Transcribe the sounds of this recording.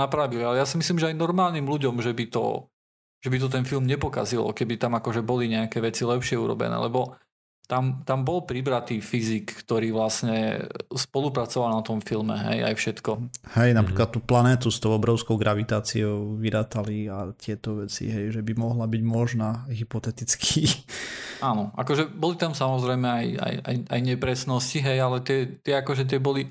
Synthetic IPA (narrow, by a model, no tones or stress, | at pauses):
napɾaːʋilialɛjasimisliːmʒɛajnɔɾmaːlniːmluɟɔmʒɛbit̪ɔ̰ | ʒ̥ɛbit̪̬ɔt̪̬ɛnfilˠmɲɛpɔka̰zilɔ̰kɛbit̪amakɔʒɛbɔliɲɛakɛʋɛt͡silɛpʃɪɛuɾɔ̰bɛ̰nɛ̰ːlɛbɔ | t̪amt̪ambɔlpɾibɾat̪iːfizikːt̪ɔɾiːʋlasɲɛspɔlupɾat͡sɔʋalnat̪ɔmfilmɛ̰ɦɛ̰ja̰jfʃɛt̪kɔhɛjnapɾiklat̪ːuːplanɛːt̪̬ust̪ɔʊɔbɾɔʊskɔʊɡɾʔaʋit̪aːt͡siɔʊʋiɾaːt̪aliat̪ɪɛt̪ɔʋɛt͡sḭɦɛjʒɛbimɔɦlabiɟmɔʒnaɦipɔt̪ɛt̪it͡skʰiː | ʔaːnɔʔa̰kɔʒɛbɔlit̪amsamɔzɾɛjmɛaja̰ja̰jʔajɲɛpɾɛsnɔsciɦɛjalɛt̪ɪɛt̪ɪɛakɔʒɛt̪̬ɪɛbɔli